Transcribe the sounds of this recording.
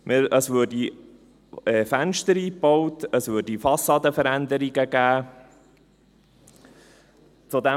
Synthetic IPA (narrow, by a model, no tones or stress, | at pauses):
mʔɪəsvøːdi | ɛːfænʃtəɾiːpɔwtəsvʏːdifɑsːɑːd̪əfəɾænd̪əɾiɡəɡ̥æː | t͡sud̪æ